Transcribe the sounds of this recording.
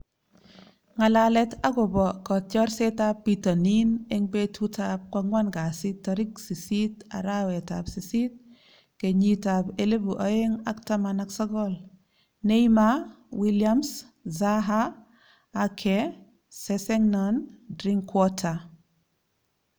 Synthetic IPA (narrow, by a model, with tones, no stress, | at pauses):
ŋa˨la˨lɛ˦ta˦ɡɔ˨bɔ˨kɔ˨tɔ˦ɾse˦ta˦pːi˨tɔ˨ni˦ne˦ŋbe˦tʰu˦tap̚kwa˦ŋwa˦nɡa˨si˦tːɔɾi˦ksi˨si˦ta̰˨ɾa˦wɛ˨ta˨psi˨si˦t̚ | ke˨ɲita˨be˨le˦bu˨ʔa˨˦je˦ŋa˦kta˦mana˦ksɔ˦ɡɔl | ne˦jma | wi˦lia˦ms | za˦ɦaː˦ | kʰɛ | sɛsɛ˦ŋnɔndɾi˦ŋkwɔ˦tʰa˨